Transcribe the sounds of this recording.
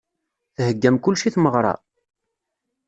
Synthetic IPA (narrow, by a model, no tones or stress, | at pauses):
θhəɡːæmkʊlːʃiθməʁɾˤɑ̰